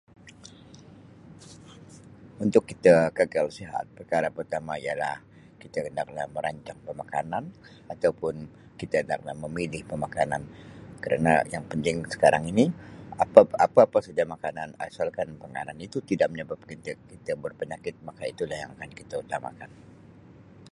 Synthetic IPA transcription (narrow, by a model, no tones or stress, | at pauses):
unt̪ʊkːit̪aɡəɡalsiɦa̰t̪̚pərkaɾapərut̪amaijala̰h | kit̪akənda̰k̚lahməɾʔaɲt͡ʃak̚pəmakanan | at̪awpʊn | kit̪akənda̰k̚lahməmilɪhpəmakanankəɾa̰na̰jaŋpənt̪ɪŋsə̥kaɾaŋiniapaapaːpasəd͡ʒamakanana̰salkanpəŋa̰nanit̪ut̪idaʔ̚məɲəbap̚kət̪əkit̪abərpəɲakɪt̪̚makait̪ulahjaŋakankit̪aut̪ama̰kan